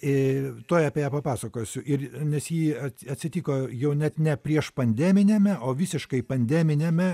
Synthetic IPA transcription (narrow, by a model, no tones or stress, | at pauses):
ɪt̪oːjɐpʲeːjæːpɐpɑːsɐkoːjsʲʊʔɪrnʲɛsjiːɐtɐt̪ʲsʲɪt̪ʲiːkoːjɛʊnʲɛt̪nʲɛpʲɾʲiɛʃpɐnʲd̪ʲæːmʲɪnʲemʲɛʔoːʋʲɪsʲɪʃkɐɪpɐnʲd̪ʲæːmʲɪnʲeːmʲɛ